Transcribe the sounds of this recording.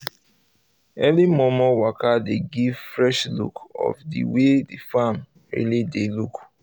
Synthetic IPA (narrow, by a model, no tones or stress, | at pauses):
ɛlimɔmɔwakadeɡivfɹɛʃlṵkɔ̰fdḭwedifam | ɹḭlideluk